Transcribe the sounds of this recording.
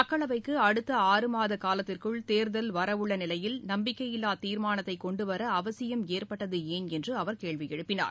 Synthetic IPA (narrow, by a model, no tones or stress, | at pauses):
ɐkːɐɭɐʋɐɪkːɯɐɽɯt̪ːɐaːɾɯmaːðɐkaːlɐt̪ːɪrkɯɭt̪eːɾðɐlʋɐɾɐʋɯɭːɐnɪlɐjɪlnɐmbɪkːɐjɪlːaːt̪iːɾmaːnɐt̪ːɐɪkːɔɳɖɯʋɐɾɐːʋɐsɪjɐmeːrpɐʈːɐðɯeːnɛndrɯɐʋɐɾkeːɭʋɪjɛɻɯpːɪna̰ːɾ